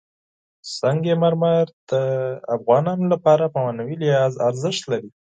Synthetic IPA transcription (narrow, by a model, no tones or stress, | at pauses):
saŋɡemaɾmaɾd̪̥əafɣɑnɑnolapɑɾapawɑnawilɪhɑzaɾzəʃt̪laɾi